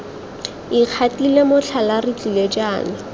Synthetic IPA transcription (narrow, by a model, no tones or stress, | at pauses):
iq͡χʰatilemʊt͡ɬʰalarɪt͡ɬiled͡ʒaːnɪ